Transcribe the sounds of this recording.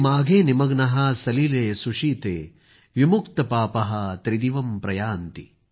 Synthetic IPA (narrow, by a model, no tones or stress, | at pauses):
maːɡʱeːnimɐɡnɐɦɐsɐlileːsuʂiːt̪eː | ʋimukt̪ɐpaːpɐɦɐt̪ɾid̪iʋɐmpɾɐjaːnt̪i